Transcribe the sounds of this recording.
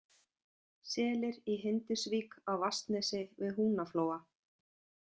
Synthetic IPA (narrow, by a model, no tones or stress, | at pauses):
sɛːlɪɾiɦɪnt̪ɪsviːkawvast̪nɛsɪvɪðɦuːnafloːwa